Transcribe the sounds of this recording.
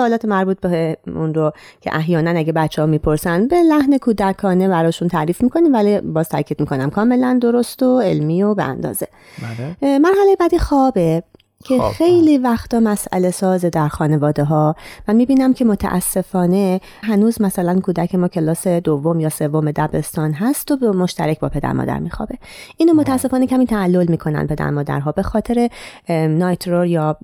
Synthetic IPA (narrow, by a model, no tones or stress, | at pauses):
soːlɒːt̪ʰemæɾbuːt̪̚beunɾocʰḛʔæɦjɒːnænæɟebæt̪t͡ʃʰːehɒːmiːpʰo̞ɾsænbe̞læhne̞kʰuːd̪ækʰɒːne̞bæɾɒːʃunt̪ʰæɾiːfmiːkʰo̞niːmvælibɒːz̥t̪ʰæ̰ɾcʰiːd̪̚miːko̞næmkʰɒːme̞lænd̪o̞ɾost̪oe̞lmiːo̞beʔæ̰nd̪ɒ̰ːze̞ | mæɾɦæle̞jebæd̪iːxɒːbe̞ | cʰexe̞jliːvæxt̪ʰɒːmæsʔæ̰le̞sɒːzed̪æɾxɒːne̞vɒːd̪e̞ɦɒːmæmiːbiːnæmcʰemot̪ʰæ̰ʔæ̰sːe̞fɒːne̞ | ɦænuːzmæsælænkʰuːd̪æcʰe̞mɒːcʰe̞lɒːse̞d̪ovːomjɒːse̞vome̞d̪æbe̞̰st̪ɒːnɦæst̪obmo̞ʃt̪æɾecʰbɒ̰ːpʰe̞d̪æ̰ɾmɒ̰ːd̪æ̰ɾmiːxɒ̰ːbe̞ | ʔiːnoːmo̞t̪ʰææsːe̞fɒːnecʲʰæmiːt̪ʰæːlːo̞lmiːkʰo̞næ̰n̚pʰe̞d̪æ̰ɾmɒːd̪æ̰ɾɦɒːbe̞xɒːt̪ʰe̞ɾe̞nɒːjt̪ʰɾoɾjɒː